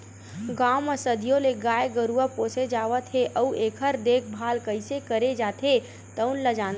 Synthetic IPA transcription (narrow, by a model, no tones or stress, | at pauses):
ɡaːməsəd̪ʱijõleɡaːeɡəɾuəpoːsed͡ʒaːʋət̪ɦeʔəuʔeːkʰəɾd̪eːkʰbʱaːlkəɪsekəɾed͡ʒaːt̪ʰɦe | t̪əʊnləd͡ʒãːn